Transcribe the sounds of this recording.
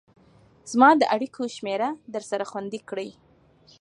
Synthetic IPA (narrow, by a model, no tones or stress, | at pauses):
z̥mɑd̪əʔaɽikʰoʃmeɾad̪əɾsaɾaxwand̪ikɽəj